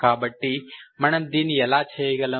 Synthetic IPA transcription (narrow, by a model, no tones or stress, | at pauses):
kaːbɐʈːimɐɳɐmd̪iːniɛlaːt͡ʃʰɐjiɡɐlɐ